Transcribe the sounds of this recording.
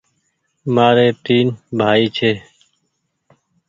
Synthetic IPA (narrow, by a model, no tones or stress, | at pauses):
maːɾeːt̪iːnbʱaːiːt͡ʃʰeː